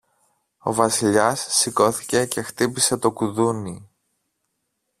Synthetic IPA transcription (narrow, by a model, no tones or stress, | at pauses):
o̞vɐsiʎɐsːiko̞θice̞ce̞xt̪ipise̞t̪o̞kuðuni